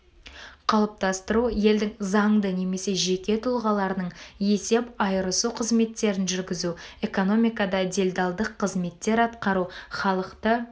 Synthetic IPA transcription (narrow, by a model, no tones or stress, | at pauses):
qʰɑlˠəp̚t̪ɑst̪əɾuje̞ld̪ɪŋzɑɴd̪əne̞me̞se̞ʒe̞kʲe̞t̪ʰʊlˠʁɑlˠɑɾənəɴje̞se̞pɑjəɾəsuqʰəzme̞t̪ːe̞ɾɪnʒʏɾɡʲɪzue̞ko̞no̞mijkɑd̪ɑd̪e̞lʲd̪ɑlˠd̪əqʰːəzme̞t̪ːe̞ɾɑt̪qɑɾuχɑlˠəqt̪ə